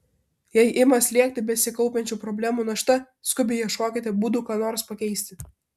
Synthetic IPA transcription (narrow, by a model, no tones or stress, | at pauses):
jɛɪʔɪmɐsʲlʲiɛk̚ʲt̪ʲɪbʲɛsʲɪkɐʊpʲɛnʲt͡ʃʲuːpɾɔbʲlʲæːmuːnɐʃt̪ɐ | skʊbʲɪjiɛʃkoːkʲɪt̪ʲɪbuːd̪uːkɑːnoːɾspɐkʲɛɪsʲt̪ʲɪ